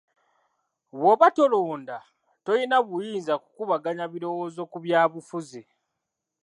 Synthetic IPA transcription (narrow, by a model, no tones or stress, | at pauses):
βwoβato̞loːnda | to̞jinaβujiːnzaku̥kuβaɡaɲaβiɾo̞woːzo̞kuβjaːβufuzi